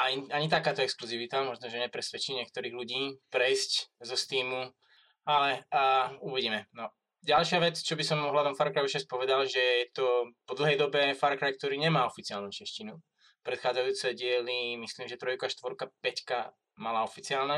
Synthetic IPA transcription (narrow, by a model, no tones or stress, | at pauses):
aɲiaɲit̪akaːt̪ɔɛkskluziʋit̪amɔʒnɔʒɛɲɛpɾɛsʋɛt͡ʃiːɲɪɛk̚t̪ɔɾiːɣluɟiːpɾɛjsczɔst̪iːmu | alɛ | uʋiɟiːmɛnɔ | ɟalʃɪaʋɛt͡st͡ʃɔbisɔmɔɦlad̪ɔmfaɾkɾajut͡ʃɛspɔʋɛd̪alʒɛjɛt̪ɔpɔd̪l̩ˠɦɛjd̪ɔbɛfaɾkɾajk̚t̪ɔɾiːɲɛmaːɔfit͡siɪaːlnut͡ʃɛʃcinu | pɾɛt̪xaːd͡zajuːt͡sɛɟɪɛlimisliːmʒɛt̪ɾɔjkʊaʃt̪ʋɔɾkapɛcka | malaɔfit͡siaːlna